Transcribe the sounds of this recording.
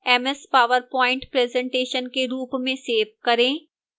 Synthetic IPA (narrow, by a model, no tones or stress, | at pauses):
ɛmɛspaːʋəɾpɔːɪ̃ɳʈpɾɛːzɛ̃ɳʈeːʃənkeɾuːpmẽseːʋkɐɾẽː